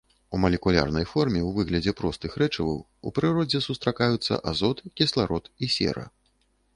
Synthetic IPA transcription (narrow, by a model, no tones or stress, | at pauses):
umɐlʲɛkulʲa̰rnɐjfɔrmʲɛwvɨɣlʲɐd͡zʲɛpɾɔst̪ɨxɾɛt͡ʂɐvɐ̰w | ṵpɾɨɾɔd͡zʲɛsust̪ɾakajut̪sːɐ̰ʔazɔt̪kʲislˠaɾɔt̪isʲɛ̰ɾɐ̰